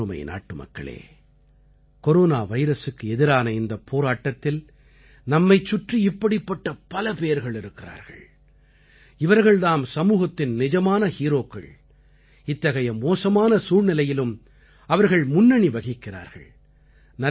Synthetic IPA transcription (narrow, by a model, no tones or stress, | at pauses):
ɯmɐ̰ɪnʔa̰ːʈːɯmɐ̰kːɐ̰ɭḛː | kɔɾoːnaːʋɐɪɾɐsɯkːɯɛðɪɾaːnɐɪnd̪ɐpʰːoːɾaːʈːɐt̪ːɪl | nɐmːɐɪt͡ʃːʊʈriɪpːɐɽɪpːɐʈːɐpɐlɐpejɐɾɣɐɭɪɾɯkːɪra̰ːɾɣɐ̰ɭ | ɪʋɐɾɣɐɭðaːmsɐmuːɣɐt̪ːɪnnɪd͡ʒɐmaːnɐhiːɾoːkːɐ̰ɭ | ɪt̪ːɐɣɐjɐmoːsɐmaːnɐsuːɻnɪlɐjɪlɯm | ɐʋɐɾɣɐɭmʊnːɐɳiʋɐɣɪkːɪra̰ːɾɣɐ̰ɭ | nɐ